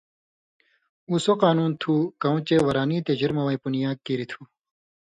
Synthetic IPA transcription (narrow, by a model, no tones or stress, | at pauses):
usoqaːnuːnt̪ʰukɐũt͡ɕewɐɾaːniːt̪ed͡ʑiɾmɐwɐipunijaːkːiɾit̪ʰu